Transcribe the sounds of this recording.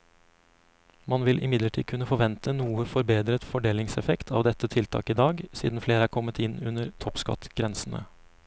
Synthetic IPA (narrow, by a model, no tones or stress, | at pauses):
mɑnʋɪlʔɪ̰mɪd̪ləʈʰiːkʰʉnəfɔɾʋɛnt̪ʰənuːəfɔɾbeːd̪ɾət̪fɔɖeːlɪŋsɛfɛkt̪ʰɑ̰ːʋd̪ɛt̪ːət̪ʰɪlt̪ʰɑ̰ːkɪd̪ɑːɡsḭːd̪n̩fleːɾəæːɾkʰɔmːət̪ʰɪnʉnəɾt̪ʰɔpskɑ̰t̪ɡ̥ɾɛnsn̩ə̰